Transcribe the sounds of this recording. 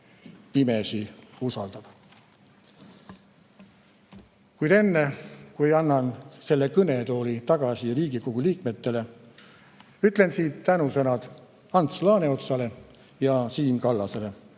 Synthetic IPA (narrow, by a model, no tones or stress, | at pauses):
pimesiusɑld̪̥ɑb̥ | kujd̪e̞nːe̞kujɑnːɑnse̞lːekɤne̞t̪o̞ːlit̪ɑɡ̥ɑsiliːɡ̥iko̞ɡ̥uliːkme̞t̪ːe̞le̞ | yt̪ˑle̞nsiːt̪ːænusɤnɑd̪̥ | ɑnt̪slɑːneo̞t̪sɑle̞ | jɑsiːnkɑlːɑse̞le̞